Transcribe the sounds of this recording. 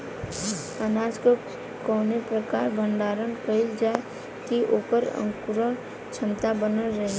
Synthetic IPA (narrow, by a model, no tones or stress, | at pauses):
ənaːd͡ʒko | kɔːnepɾəkaːɾbʱəɳɖaːɾənkəɪld͡ʒa | kiʔoːpəɾə̰̃ŋkʊɾə | t͡ʃʰəmt̪abənəɾəɦ